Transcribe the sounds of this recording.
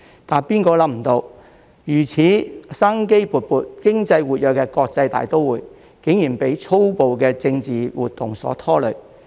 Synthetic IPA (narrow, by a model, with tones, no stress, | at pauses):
t̪aː˨npiː˥nkɔː˧lɐ˨˥pm̩˨˩t̪o˧w | jyː˨˩t͡sʰiː˨˥saː˥ŋke˥jpuː˨˩t̚puː˨˧t̚kɪ˥ŋt͡sɐ˧jwuː˨t̚jœː˨kɛː˧kɔː˧k̚t͡sɐ˧jt̪a̰ː˨jt̪o˥wuː˨j | kɪ˨˥ŋjiː˨˩npe˨˥jt͡sʰo˥wpo˨wkɛː˧t͡sɪ˧ŋt͡siː˨wuː˨t̪̚ːʊ˨˩ŋsɔ̰ː˨˥t̪ʰɔː˥lɵ˨˩